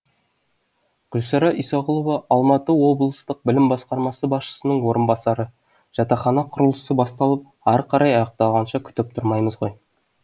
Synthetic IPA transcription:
ɡ̥ʲʏlsɑɾɑʔijsɑʁʊlˠovɑʔɑlˠmɑt̪əwo̞blˠəst̪əq̚bɪlɪmbɑsqɑɾmɑsəbɑsʃə̥sənəɴwo̞ɾənbɑsɑɾə | ʒ̥ɑt̪ɑχɑnɑqʰʊɾəlˠəsəbɑst̪ɑlˠəp̚ | ɑɾqʰɑɾʔɑjɑjəq̚t̪ɑlˠʁɑnʃɑkʲʰʏ̥t̪ɪp̚t̪ʰʊɾmɑjməzʁo̞j

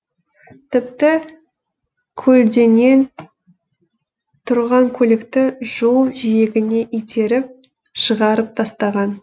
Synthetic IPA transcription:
t̪ʰɪp̚t̪ɪ | kʲʰɵld̪e̞ne̞n | t̪ʰʊɾʁɑŋkʲʰɵlekt̪ɪʒo̞lˠʒije̞ɡʲɪne̞ʔijt̪ʰe̞ɾɪp̚ | ʃəʁɑɾəp̚t̪ʰɑst̪ɑʁɑn

